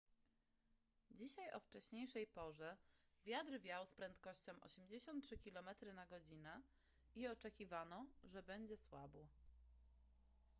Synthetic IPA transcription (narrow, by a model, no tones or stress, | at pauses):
d͡ʑiɕajʔɔ̰ft͡ʂɛɕɲejʂɛjpɔʐɛvʲjad̪ɾvʲjawspɾɛnt̪kɔɕt͡ɕɔ̃w̃ʔɔ̰ɕɛmd͡ʑeɕɔnt̪tʂɘkʲilɔmɛt̪ɾɘnaɡɔd͡ʑinɛ | iɔt͡ʂɛkʲivanɔʐɛbɛɲd͡ʑɛswabɔ